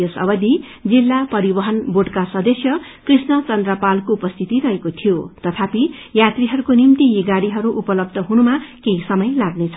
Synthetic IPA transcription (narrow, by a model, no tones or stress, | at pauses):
josʌ̰bʌd̪i | d͡zilːapʌɾibʌɦʌnboɖkasʌd̪ʌsjʌkrisnʌt͡sʌnd̪rʌpalkoupʌst̪ʰit̪iɾʌɦekot̪ʰijot̪ʌt̪ʰapijat̪riɦʌɾukonimt̪ijeɡaɽiɦʌɾuʔupʌlʌb̚d̪ʱʌɦunumakeisʌmʌjlaɡnet͡sʰʌ